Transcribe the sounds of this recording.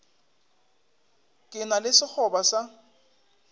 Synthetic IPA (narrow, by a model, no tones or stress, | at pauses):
kʼɪnalɪsɪk͡xʰɔbasa